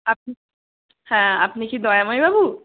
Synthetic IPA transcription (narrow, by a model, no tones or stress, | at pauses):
ap̚ni | hãapnikid̪ɔjamɦɔjbabu